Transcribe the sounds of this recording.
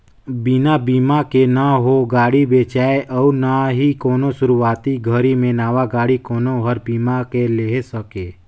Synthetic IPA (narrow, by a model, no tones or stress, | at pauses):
binabiːmakenaɦoɡaːɽibeːt͡ʃaːeʔɔːɾnaɦikɔːnõsʊɾuaːt̪iɡʱəɾimẽnaːʋaɡaːɽikɔːnõɦəɾbiːmakeleːɦsəkeː